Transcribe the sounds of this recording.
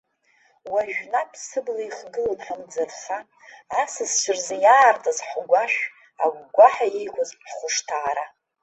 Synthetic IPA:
waʒᶣnapʰsɨblaiχɡɨlanħamd͡zɨrχaː | sɨzt͡ʃʷʰɨrzajaːrtʼazħɡʷaʃᶣ | a̰ɡʷɡʷaħaijkʷʰazħχʷʊʂtʰaːɾa

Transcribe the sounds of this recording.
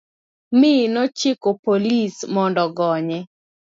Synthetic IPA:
mɪnɔt͡ʃɪkopolismɔndɔɡɔɲɛ

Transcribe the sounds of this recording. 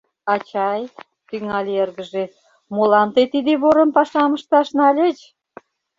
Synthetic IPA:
ɑt͡ɕɑj | t̪yŋɑlʲeerɣəʒe | molɑnt̪et̪id̪eβoɾənpɑʃɑməʃt̪ɑʃnɑlʲet͡ɕ

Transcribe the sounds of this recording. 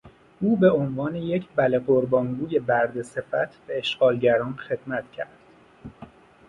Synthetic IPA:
ʔuːbe̞o̞nvɒːnejecʰbæleɢoɾbɒːŋɡuːje̞bæɾd̪e̞se̞fæ̰t̪ʰb̥eeʃɢ̥ɒːlɟæɾɒːnxe̞d̪̥mæt̪ʰcʰæɾd̪̥

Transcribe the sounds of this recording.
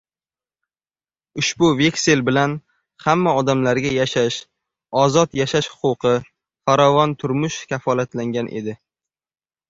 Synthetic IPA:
ʊʃbʊve̞kʲse̞lbɪlan | hamːaɒd̪amlaɾɡʲajaʃaʃ | ɒzɒt̪jaʃaʃhʊ̥qʊqʰɨ | faɾɒvɒnt̪ʰʊɾmʊʃkʲʰafɒlat̪laŋɡʲanʔe̞̰d̪ɪ

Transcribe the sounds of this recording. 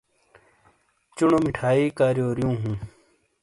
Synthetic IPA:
t͡ɕuɳomiʈʰaːiːkaːɾjoːɾjũːɦũː

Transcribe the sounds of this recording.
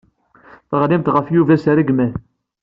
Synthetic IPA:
θʁlimt̪ʁəfjuvæsɾəɡmæθ

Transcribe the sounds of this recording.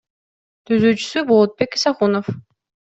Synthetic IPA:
t̪ʰyzyːt͡ʃy̥sybolˠot̪̚pekisaχunof

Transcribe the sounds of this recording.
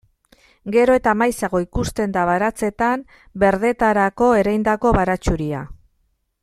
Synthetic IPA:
ɡe̞ɾo̞e̞t̪amajsaɣo̞ikust̪e̞nd̪aβaɾat͡se̞t̪am | be̞ɾð̞e̞t̪aɾako̞e̞ɾajnd̪ako̞βaɾat͡ʃuɾia̰

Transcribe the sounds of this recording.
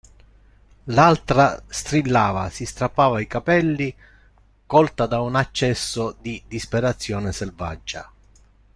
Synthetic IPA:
lalt̪ɾast̪ɾilːaːva̰sist̪ɾapːaːvaikapɛlːi | kɔlt̪ad̪aunat͡ʃːɛsːʊd̪id̪ispeɾat̪sːjɔːneselva̰d͡ʒːa̰

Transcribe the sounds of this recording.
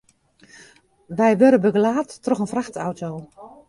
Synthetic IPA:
ʋɛjʋøɾəbəɡəlaːtːrɔxənfraxtawtʰoː

